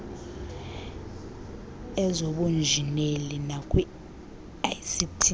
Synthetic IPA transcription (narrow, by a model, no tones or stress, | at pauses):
ɛzoɓund͡ʒʱinelinakʼwi | asitʰi